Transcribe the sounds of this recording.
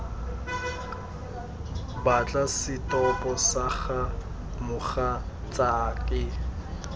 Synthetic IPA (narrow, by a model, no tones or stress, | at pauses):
bat͡ɬʼasɪtʼɔpʼɔsaχa | mʊχa | t͡sʼaːkʼɪ